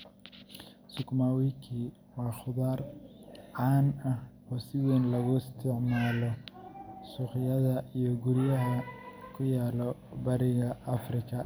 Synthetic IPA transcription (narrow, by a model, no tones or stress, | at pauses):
sʊkmaːwikʰiː | wɑːχʊðaːrʕaːnɐhɔːsɪðinlɐɣʊɪst̪ʰɪʕmaːlɔ | suːχɪjɐðɐijɔɡʊɾɪjɐɦɐkʰʊjaːlɔbɐɾɪɣɐɐfrɪkʰɐ